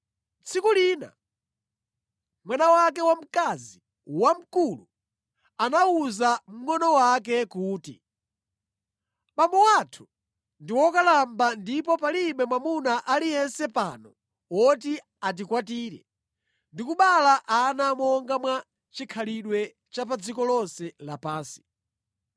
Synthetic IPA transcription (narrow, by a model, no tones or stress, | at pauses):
t͡sʰikuliːna̰ | mwanawak̬ɛwam̩kazi | wam̩kulṵ | anauzam̩ŋɔnɔwak̬ɛkuːtḭ | ɓamɔwatʰu̥ | ndiwɔkalambandipɔpaliɓɛmwamunaʔalijɛnsɛpanɔ | ɔti | at̬ikwatiːɾɛ̰ | ndikuɓalaʔanamɔŋɡamwa | t͡ʃikʰaliɗwɛ | t͡ʃap̬ad͡zikɔlɔnsɛlapaːnsi̥